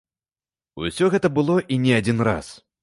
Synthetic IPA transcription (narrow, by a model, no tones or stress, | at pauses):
ṵsʲɔɣɛt̪ɐbɨlˠɔʔinʲɛad͡zʲinɾa̰s